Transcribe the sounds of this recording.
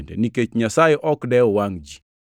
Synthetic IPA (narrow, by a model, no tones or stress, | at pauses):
ndɛ̰niket͡ʃɲasajɛʔɔkdɛɔwaŋd͡ʒi